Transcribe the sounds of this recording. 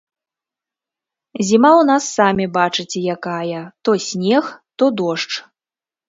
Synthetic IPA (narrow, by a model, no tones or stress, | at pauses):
zʲimawn̪asːamʲibat͡ʂɨt͡sʲjakajɐt̪ɔsʲnʲɛxt̪ɔd̪ɔʂt͡ʂ